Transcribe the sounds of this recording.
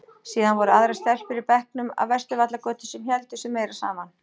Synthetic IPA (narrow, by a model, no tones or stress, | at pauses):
siːðanvɔɾʏaðɾɛ̥stθɛl̥fɪɾɪɾpɛhknʏma̰vvɛst̪ʏvat̪lakœːt̪ʏsɛmçɛlt̪ʏsɛmːeːjɾḁsa̰ːman